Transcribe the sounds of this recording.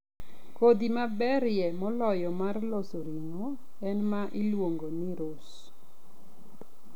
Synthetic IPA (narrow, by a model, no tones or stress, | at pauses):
kod̪imabɛɾjɛmɔlɔjɔmarlɔsoɾiŋo | ɛnmaʔɪlwoŋɡoniɾʊs